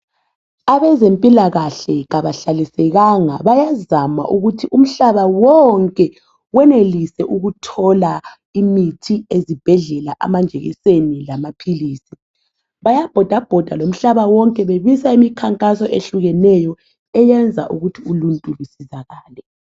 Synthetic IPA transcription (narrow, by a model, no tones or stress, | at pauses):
aβɛzempʼilaɣaɬɛɣaβaɬalisɛɣaŋa̰βajazama̰ʔuɣutʰiʔum̩ɬaβawɔŋkʼɛ | wɛnelisɛʔuɣutʰɔla | imitʰiezib̥ʱɛɮɛlaʔa̰mand͡ʒʱeɣḭsenilamapʰiliːsi | βajab̥ʱɔd̥ʱab̥ʱɔd̥ʱalom̩ɬaβawɔŋkʼɛβeβisaimikʰaŋkʼasɔʔeɬuɣɛnɛjɔ | ɛjɛnd͡zʱa̰ʔuɣutʰiuluntʼulusizaɣaːlɛ